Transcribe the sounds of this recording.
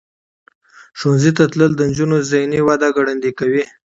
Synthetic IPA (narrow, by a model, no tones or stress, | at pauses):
ʂonzit̪at̪ləld̪ənd͡ʒunozajniwad̪aɡaɽand̪ikawi